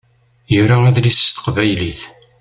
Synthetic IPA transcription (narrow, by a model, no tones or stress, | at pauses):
jʊɾaæðlist̪ə̥qvæjliθ